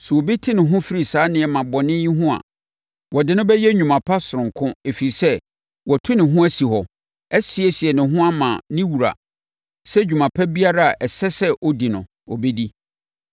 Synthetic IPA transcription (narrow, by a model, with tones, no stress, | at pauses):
su˨o˨bi˦tʰɪ˦nɪ̃˨ɦʊ̃˦fi˦ɾi˨saː˨˦nɪ̃˨ɛ˨mã˨bɔ˨nɪ̃˦jĩ˦ɦʊ̃˦a̰˨ | wɔ˨dɪ˨nʊ̃˦bɛ˦jɛ˦ɲũ˨mã˨pʰa˦sʊ˨ɾʊ̃˨ŋkʰʊ̃˦e˨fi˨i˨sɛ˦ | wɔ˨tʰʊ˦nɪ̃˨ɦʊ̃˦æ˦si˨hɔ˨ | ɛ˦sɪ˦ɛ˦si˨ɛ˨nɪ̃˨ɦʊ̃˦a˦mã̰˨nɪ̃˦wu˨ɾa̰˨ | sɛ˦d͡ʑᶣu˨mã˨pʰɛ˦bi˦a˦ɾa˦a˨ʔɛ˨sɛ˦sɛ˦ʔɔ˦di˨nʊ̰̃˨ | ɔ̰˨be˦di˦